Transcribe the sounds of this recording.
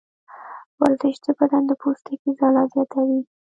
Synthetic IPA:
wald̪əʃd̪əbad̪and̪əpost̪ikizɑlɑzjɑt̪ʰawi

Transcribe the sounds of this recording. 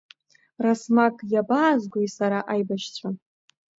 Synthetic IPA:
rasmakʼjabaːzɡʷojsaɾaʔajbaʃt͡sʷʰan

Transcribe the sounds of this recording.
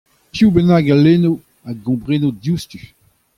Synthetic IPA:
pjubenaːɡaleno | aɡɔ̃bʁenodjust̪y

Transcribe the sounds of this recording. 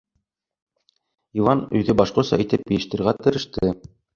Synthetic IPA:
ivɑnɵ̆jðɘbɑʃqŏsɑ̰it̪ɘp̚jɵ̆jɘ̆ʃt̪ɘ̆ɾɣæt̪ɘ̆ɾɘ̆ʃt̪ɘ

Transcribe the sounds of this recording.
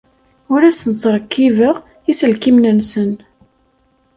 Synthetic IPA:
ʊɾæsənt͡sːɾˤəkːivəʁ | isəlkimnənsən

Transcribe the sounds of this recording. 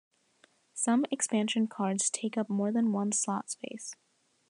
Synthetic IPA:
sʌ̃mɨkspæ̃nʃɨ̃nkʰɑɹdz̥tʰeɪkʌp̚mɔɹðɨ̃nwʌ̃nslɑ̰tspeɪs

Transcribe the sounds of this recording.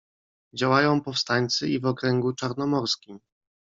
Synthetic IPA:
d͡ʑawajɔ̃w̃pɔfst̪aɲʲt̪sɘivɔkɾɛŋɡut͡ʂaɾnɔmɔɾskʲim

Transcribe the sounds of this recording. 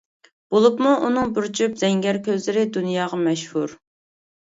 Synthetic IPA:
b̥olˠupmuʔunɨŋbɨɾt͡ʃʰypz̥ɛŋɡʲɛɾkʲʰøzlɪɾɪd̪unjɑːʁɑmɛʃhuɾ

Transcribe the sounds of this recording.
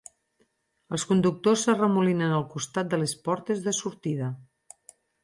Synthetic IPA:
əlˠskund̪uk̚t̪osːərəmulinənəlˠkust̪at̪̚d̪əlespɔɾt̪ezðəsuɾt̪iðə

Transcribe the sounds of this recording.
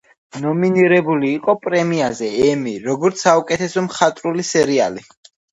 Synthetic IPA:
nɔminiɾɛbuliːqʼɔpʼɾɛmiazɛɛmiɾɔɡɔɾt̪sʰaukʼɛt̪ʰɛsɔmχat̪ʼɾulisɛɾia̰li

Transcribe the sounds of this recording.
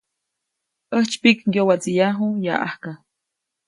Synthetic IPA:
əht͡ʃpikjjowat͡sijaɦuja̰ʔa̰hka

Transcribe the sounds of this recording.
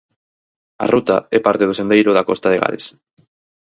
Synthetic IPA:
a̰rut̪aɛpaɾt̪eð̞osend̪ejɾoðakɔst̪aðeɣa̰les

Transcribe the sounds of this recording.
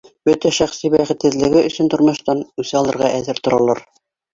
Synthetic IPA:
bɵt̪æʃæχsibæχɘ̆t̪hɘ̆ðlɘ̆ɡɘɵ̆sɵnt̪ŏɾmŏʃt̪ɑnʉsɘɑlˠɤ̆ɾʁɑʔæðɘɾt̪ŏɾɑlˠɑɾ

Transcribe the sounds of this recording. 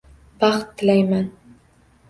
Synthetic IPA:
b̥ɑχt̪ʰːɪlajman

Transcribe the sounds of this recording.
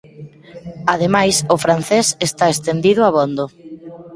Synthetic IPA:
aðemajsʊfɾan̟θesest̪aest̪end̪iðʊaβond̪ʊ

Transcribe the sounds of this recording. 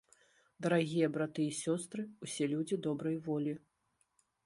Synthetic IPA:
d̪ɐɾaɣʲijɐbɾat̪ɨisʲɔst̪ɾɨusʲɛlʲud͡zʲid̪ɔbɾɐjvɔlʲi

